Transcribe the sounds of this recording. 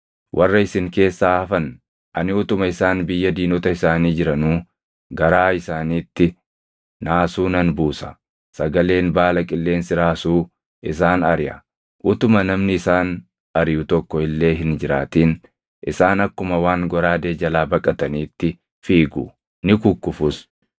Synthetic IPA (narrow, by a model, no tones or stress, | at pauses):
wʔɐrːɐɪsɪŋke̞ːsːaːɐfɐn | ʔɐ̰nɪʊt̪ʊmɐɪsaːnbɪjːɐd̪iːnɔt̪ɐɪsaːniːd͡ʒɪɾɐnuː | ɡɐɾaːɪsaːniːt̪ːɪ | naːsuːnɐnbuːsɐ̥̰ | sɐɡɐle̞ːnbaːlɐkʼɪlːe̞ːnsɪɾaːsuː | ʔɪs̬aːnɐɾɪjɐ̰ | ʔʊt̪ʊmɐnɐmnɪɪsaːn | ɐɾɪjʊt̪ɔkːɔɪlːe̞ːɦɪnd͡ʒɪɾaːt̪iːn | ʔɪsaːnɐkːʊmɐwaːŋɡɔɾaːd̪eːd͡ʒɐlaːbɐkʼːɐt̪ɐniːt̪ːɪ | fiːɡʊ̰ | nɪkʊkːʊfʊs